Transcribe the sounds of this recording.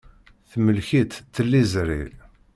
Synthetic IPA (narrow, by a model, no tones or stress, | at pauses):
θməlçit̪t̪ːəlːizɾḭl